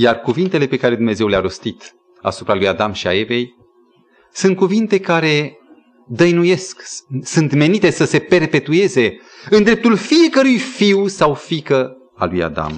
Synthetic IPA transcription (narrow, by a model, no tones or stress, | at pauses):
jarkuvint̪e̞le̞pe̞kaɾe̞d̪umne̞ze̞wleaɾo̞st̪it̪ | a̰supɾalujad̪amʃia̰eve̞j | sunt̪̚kuvint̪e̞kaɾe̞ | d̪əjnuje̞sksunt̪me̞nit̪e̞səse̞pe̞rpe̞t̪ue̞ze̞ | ɨnd̪ɾe̞p̚t̪ulfije̞kəɾujfiwsawfikə | aluja̰d̪a̰m